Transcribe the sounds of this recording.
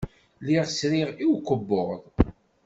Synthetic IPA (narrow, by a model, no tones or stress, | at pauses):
liʁsɾiʁiwkʷːəbːoʁðˤ